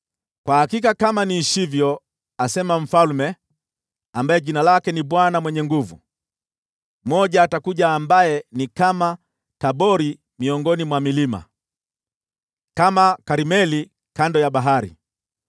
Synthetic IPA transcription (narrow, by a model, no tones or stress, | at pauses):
kwahakikakamaniʃivjɔ | asɛmaɱ̩falmɛ | ambaɛʄinalakɛniɓwanamwɛɲɛŋɡuvṵ | mɔʄaːtakuʄaːmbajɛnikama | taɓɔɾi | miɔŋɡɔnimwamilima̰ | kamakaɾimɛli | kandɔjaɓaɦaɾḭ